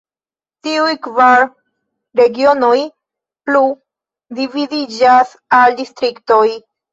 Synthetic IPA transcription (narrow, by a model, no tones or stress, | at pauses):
tiujkvaɾ | ɾe̞ɡio̞no̞j | plu | dividid͡ʒas | aldistɾikto̞j